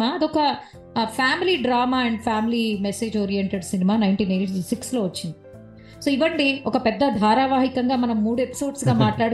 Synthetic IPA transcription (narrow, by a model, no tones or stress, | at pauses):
aːɐd̪iɔkɐ | pʰaːmiliːɖɾaːmaːɛɳɖpʰaːmiliːmese̞ːd͡ʒoːɾijeɳʈeɖsinimaːnɐjɳʈiːneːʈisikslo̞ːʋɐt͡ʃːind̪i | soːiʋɐɳɖiɔkɐpɛd̪ːɐd̪ʱaːɾaːʋaːɦikɐŋɡaːmɐnɐmːuːɽue̞pi̥so̞ːɖsɡaːmaːʈlaːɽu